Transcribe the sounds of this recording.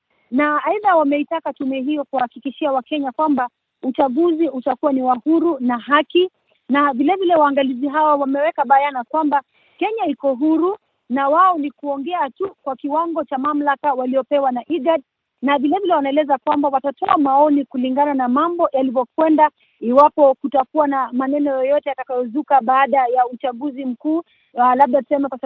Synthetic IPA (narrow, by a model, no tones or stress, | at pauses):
naːiðawamɛitakatumɛɛɦijɔkuahakikiʃiawakɛɲakwamba | ut͡ʃaɠuziutakuwaniwahuɾunaɦaki | navilɛvilɛwaːŋɡaliziɦawawamɛwɛkaɓajanakwamba | kɛɲaikɔɦuɾu | nawaɔnikuɔŋɡɛatukwakiwaŋɡɔt͡ʃamam̩lakawaliɔpɛwanaʔiɡaɗ̚ | navilɛvilɛwanaɛlɛzakwambawatatɔamaɔnikuliŋɡananamambɔjalivɔkwɛnda | iwapɔkutakuanamanɛnɔjɔjɔtɛjatakajɔzukaɓaːɗajaut͡ʃaɠuzim̩kuː | laɓ̚ɗatu̥sɛmakwas